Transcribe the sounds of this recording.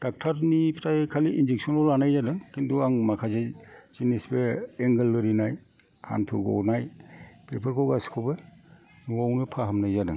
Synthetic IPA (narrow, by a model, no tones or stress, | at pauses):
d̥ak̚tʰaɾnipʰi̥tʰajkʰaliʔind͡ʒek̚sɔnɔlanajzadɯŋkintuaŋmakʰazez̥inisbeeŋɡɯlːɯɾinaj | ha̰ntʰṵɡɔ̰wnajpʰepʰəɾkʰɔwɡaskʰɔbɯ | nuɡawnɯpʰaɦamnajzadɯŋ